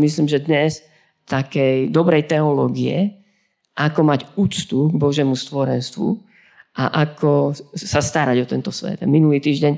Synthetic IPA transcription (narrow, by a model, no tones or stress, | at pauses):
misliːmʒɛd̪ɲɛs | t̪akɛjd̪ɔbɾɛjt̪ɛɔlɔːɡiɛ̰ | ʔakɔmaɟuːt͡st̪uɡbɔʒjɛmust̪ʋɔɾɛnst̪ʋṵ | ʔa̰ʔakʰɔsast̪aɾaɟɔt̪ɛnt̪ɔsʋɛ̰d̪aminuliːt̪iːʒɟɛɲ